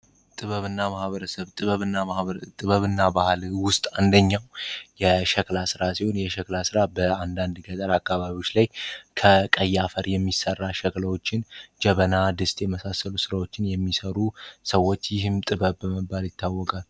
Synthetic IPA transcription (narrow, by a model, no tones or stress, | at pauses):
t̪ʼɨβəβɨnːamahβəɾəsəβt̪ʼɨβəβɨnːat̪ʼɨβəβɨnːabahlwʊst̪ʼand̪əɲːawjɛʃɛklasɨɾasiho̞njɛʃəklasɨɾabəand̪and̪ɡət̪ʼəɾakːaβaβiwo̞t͡ʃːlajkʰəkʼəjːafəɾjɛmːisərːaʃəklawo̞t͡ʃːɪnd͡ʒɛβənad̪ɨst̪ʼjɛməsasːəlusɨɾawo̞t͡ʃːɪnjɛmːisəɾusəwːo̞t͡ʃːjɪɦɨmt̪ʼɨβəβːəməbːaljɪt̪ʰːawːɔkʼal